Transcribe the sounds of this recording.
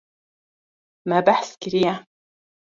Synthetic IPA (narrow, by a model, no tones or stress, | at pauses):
maːbaħskɪɾija